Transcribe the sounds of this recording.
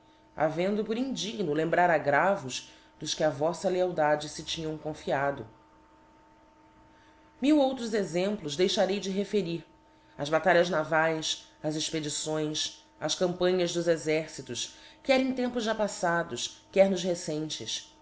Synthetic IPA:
a̰vẽnd̪ʊpʊɾĩnd͡ʒiɡnʊlẽmbɾaɾaɡɾavʊʃ | d̪ʊʃkɪɐvɔsɐleawd̪ad͡ʒɪsɪt͡ʃĩɲɐ̃w̃kõfiad̪ʊ | miwowt̪ɾʊzezẽmplʊzd̪ejʃaɾejd͡ʒɪɦefeɾiɾ | ɐzbat̪aʎɐznavajsɐzeʃped͡ʒisõj̃s | ɐʃkɐ̃mpɐ̃ɲɐzd̪ʊzezɛɾsit̪ʊʃkɪɛɾẽt̪ẽmpʊzʒapasad̪ʊʃkɪɛɾnʊzɦesẽt͡ʃɪʃ

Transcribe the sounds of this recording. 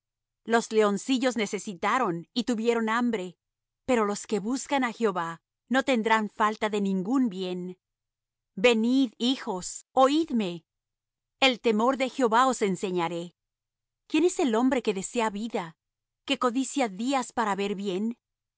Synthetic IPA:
lo̞zle̞o̞nsiʝo̞zne̞se̞sit̪aɾo̞nit̪uβje̞ɾo̞nambɾe̞ | pe̞ɾo̞lo̞ske̞βuskanaxeo̞βa | no̞t̪e̞nd̪ɾaɱfalt̪aðe̞nĩŋɡunbje̞n | be̞niðixo̞so̞iðme̞ː | lt̪e̞mo̞ɾðe̞xjeoβao̞se̞nse̞ɲaɾe | kje̞ne̞se̞lo̞mbɾe̞ke̞ðe̞se̞aβiða | ke̞ko̞ðisjaðiaspaɾaβe̞ɾβje̞n

